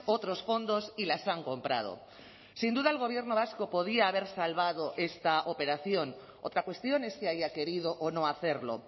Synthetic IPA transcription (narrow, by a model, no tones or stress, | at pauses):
ot̪ɾo̞sfo̞nd̪o̞silasaŋko̞mpɾa̰ð̞o̰ | sind̪uðaelɣ̞o̞β̞je̞ɾnoβ̞asko̞po̞ðiaːβ̞e̞ɾsalβað̞o̞ʔe̞st̪aʔope̞ɾaθjo̞n | o̰t̪ɾakwe̞st̪jo̞ne̞skiajake̞ɾið̞oʔonõaθe̞ɾlo̞̰